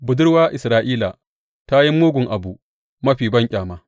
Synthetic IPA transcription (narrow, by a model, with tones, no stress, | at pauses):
bʊ˨dʊ˦ɽwaː˦ʔɪ˨sɾaː˨ʔiː˦la̰˨ | ta˦ji˦mːoː˦ɡʷʊ˨ŋʔa˨bu˨ | mɐ˦ɸiː˨bɐ˦ŋkʲʼaː˨maː˦